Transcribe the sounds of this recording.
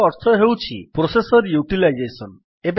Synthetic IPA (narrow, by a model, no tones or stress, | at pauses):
ɔɾt̪ʰɔɦewt͡ʃʰḭpɾosesɔɾjuʈilajd͡ʒesɔn | eb